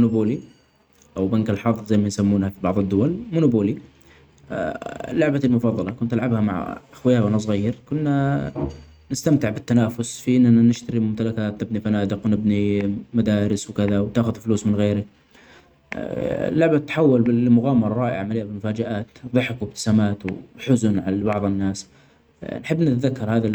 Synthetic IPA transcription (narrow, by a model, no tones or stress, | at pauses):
mʊnʊbuːli | ʔawbankalħɑðˤðzajmansamːuːnhafibɑʕðˤɪd̪ːʊwalmʊnubuːli | lːʊʕbalmʊfɑðˤːɑlɑkʊnt̪ʔalʕabhamaʕʔaxwɪjaːwʔanas̬ˤɣajːɪɾkʊnːa | nɪst̪amt̪ɪʕbɪt̪ːanaːfʊsfiʔɪnːaanɪʃt̪aɾimʊmt̪alakaːt̪nɪbnifanaːd̪ɪqwnɪbnimad̪aːɾɪswkɪðawt̪aːxʊðfluːsmɪnɣeːɾa | lːʊʕbat̪ːħawːalbɪmʊɣaːmɑɾˤɑːʔɪ̰ʕamalɪjːabɪlmʊfaːd͡ʒaʔaːt̪ðˤɨħɪkwɪb̚t̪ɪ̥saːmaːt̪wħʊzʊnʕalabɑʕðˤɪnːaːs | nħɪbːnɪt̪ðakːɑɾˤhaːða